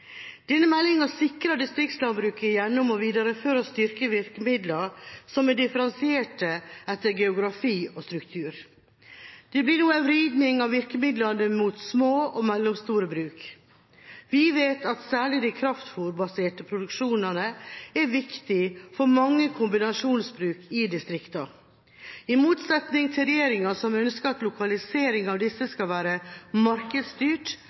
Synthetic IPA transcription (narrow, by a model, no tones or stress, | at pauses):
d̪̥ɛnːəmɛlːɪŋɑsɪkɾɑd̪ɪst̪ɾɪk̚t̪slɑnbɾʉːkəjɛnːɔmɔʋiːd̪ɑɾəføːɾɑst̪ʏɾkəʋɪɾkəmɪd̪ləɾsɔmɛɖɪfəɾɛnsɪeːʈəɛt̪ːəɾɡɛʊɡɾɑfiːɔst̪ɾʉkt̪ʰʉːɾ | d̪̥ɛblɪnuːəʋɾiːd̪nɪŋɑʋɪɾkəmɪd̪lɑnəmut̪smoːɔmɛlːɔmst̪uːɾəbɾʉːk | ʋɪʋeːt̪ʰɑt̪sæːɭɪd̪ɛkʰɾɑft̪fuːɾbɑseːʈəpʰɾʊd̪ʉkʂuːnɑnəɛɾʋɪkt̪ɪfɔɾmɑŋːəkʰʊmbɪnɑʂuːnsbɾʉːkʰɪd̪ɪst̪ɾɪkt̪ɑ | ɪmuːt̪sɛt̪nɪŋt̪ʰɪlɾɛjeːɾɪŋɑsɔmœnskəɾɑt̪lʊkʰɑlɪseːɾɪŋɑʋd̪ɪsːəskɑʋæːɾəmɑɾkəd̪st̪yːʈ